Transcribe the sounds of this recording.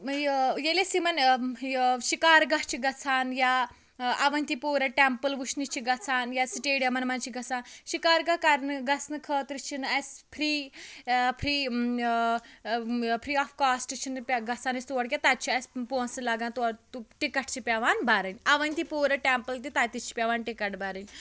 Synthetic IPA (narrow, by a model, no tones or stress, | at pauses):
jjelesimɐn | ʃikaːɾɡɐɦt͡ʃʰiɡɐt͡sʰaːnja | ɐʋɐnʲt̪ipoːɾɐʈempəlʋuʃnit͡ʃʰiɡɐt͡sʰaːnjasiʈeːɽijɐmɐnmɐnt͡ʃʰiɡɐt͡sʰaːnʃikaːɾɡɐkɐɾnɨɡɐt͡sʰnɨkʰəːt̪ɾit͡ʃʰinɐspʰɾiː | pʰɾiː | pʰɾiːaːfkaːsʈit͡ʃʰinpʲɡɐt͡sʰaːnist̪uʋɐɽk̬ʲat̪at̪̚t͡ʃʰiɐspõːnsɨlaɡaːnt̪ut̪uʈikɐʈ̚ʰt͡ʃʰipʲaʋaːnbʱaɾɨnʲɐʋɐnʲt̪ipoːɾɐʈɛmpəlt̪it̪aːt̪it͡ʃʰi̥pʲaʋaːnʈikɐʈbaɾɨnʲ